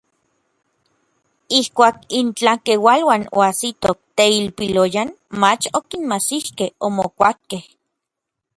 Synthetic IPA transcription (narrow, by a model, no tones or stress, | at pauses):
ihkʷaːkint͡ɬakewalwano̰asit̪ok̚t̪eilpilojan | mat͡ʃokinmasihkehomokʷat̪̚keh